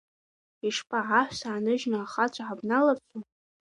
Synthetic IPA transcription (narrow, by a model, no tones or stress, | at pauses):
iʂpʰʼaʕaħʷsaːnɨʒnɨaχat͡ɕʷʰʼaħabnalart͡sʷʰʼu